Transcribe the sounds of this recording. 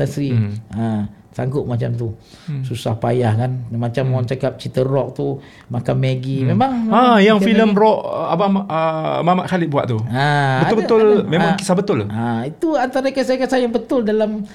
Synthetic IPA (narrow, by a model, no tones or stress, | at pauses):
asɾiə | sa̰ŋɡʊʔ̚mat͡ʃamt̪̬u | susahpa̰jahkanmat͡ʃamaŋt͡ʃakap̚t͡ʃit̪əɾɔk̚t̪u | makanmeɡimemaŋajaŋfiləmrɔʔabamaʔəmamaʔkaliʔbua̰ʔ̪̚t̪uaət̪ʊbət̪ʊlmemmaŋkisabət̪ʊlait̪uant̪aɾakəs̬akəsajaŋbət̪ʊldalam